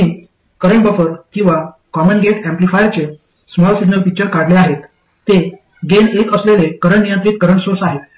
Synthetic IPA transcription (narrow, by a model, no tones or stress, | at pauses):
i | kəɾəɳbəfəɾkĩw̃ʋa | kɔmənɡeʈæ̃mplifajɾt͡ɕe | smɔlsiɡnəlpik̚t͡ɕəɾkaɽleaɦet̪ː | e | ɡenekəslelekəɾəɳnijənt̪ɾiːt̪̚kəɾəɳsoɾsaɦet̪